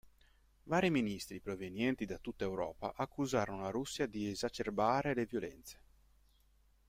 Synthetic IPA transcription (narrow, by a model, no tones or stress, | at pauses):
vaːɾiminist̪ɾipɾovenjɛnt̪id̪at̪ːut̪ːaewɾɔ̰ːpa̰ʔakːuzaːɾonoaɾusːjad̪iezat͡ʃerbaːɾelevjolɛ̰nt̪se̥